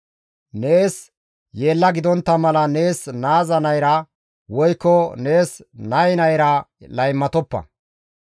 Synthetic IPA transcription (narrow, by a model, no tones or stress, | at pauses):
ne̞ːs | je̞ːlːɐɡɪd̪ɔnt̪ːɐmɐlɐne̞ːsnaːzɐnɐjɾɐ | wɔjkːɔne̞ːsnɐjnɐjɾɐlɐjmːɐt̪ɔpːɐ̰